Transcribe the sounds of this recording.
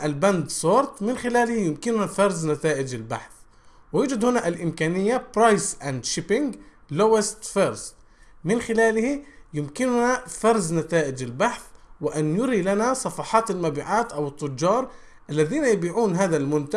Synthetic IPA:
ʔalband̪sˤoːɾt̪ˤmɪnxɪlaːlhijɪmkɪnʊnafɑɾˤznat̪aːʔɪd͡ʒɪlba̰ħθ | wɪjuːd͡ʒad̪hʊnaʔalʔɪmkaːnɪjːapɾɑjsʔand̪ʃɪpɪŋɡ | lowɪst̪fɑɾz | mɪnxɪlaːlhijɪmkɪnʊnafɑɾˤznat̪aːʔɪd͡ʒɪlbaħθwɪʔanjʊɾilanasˤɑfɑħɑːt̪almabiːʕaːt̪ʔawɨt̪ˤːʊd͡ʒːɑːɾˤ | ʔalːaðiːnajabiːʕuːnɦaːðalmʊnt̪a

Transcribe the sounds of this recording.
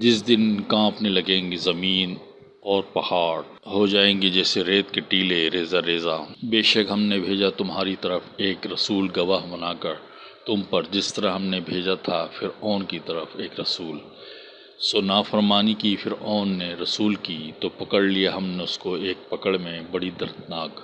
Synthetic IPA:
d͡ʒɪsd̪ɪnkãːpnelɐɡẽːŋɡizɐmiːn | ɔːɾpɐhaːɽ | ɦod͡ʒaːẽːŋɡid͡ʒɛːseɾeːt̪keʈiːleɾeːzaɾeːzabeːʃɐkɦɐmnebʱeːd͡ʒat̪ʊmɦaːɾit̪ɐɾəfeːkɾɐsuːlɡɐʋaːɦbɐnaːkɐɾ | t̪ʊmpɐɾd͡ʒɪst̪əɾaɦɐmnebʱeːd͡ʒat̪ʰafʰɪɾɔːnkit̪ɐɾəfeːkɾɐsuːl | soːnaːfəɾmaːnikifʰɪɾɔːnːeɾɐsuːlkiːt̪opɐkəɽlijaɦɐmneʊskoeːk̚pɐkəɽmẽbɐɽid̪ɐɾd̪naːk

